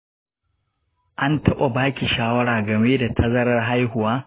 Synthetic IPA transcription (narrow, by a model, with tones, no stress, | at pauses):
ʔa˦ntɐ˦ɓa˨baː˦kʲi˨ʃaː˦wɐ˦ɽaː˨ɡɐ˨me˦da˨tʰɐ˦zɐ˦ɾɐ˦rɦa˦jɦʊ˨waː˦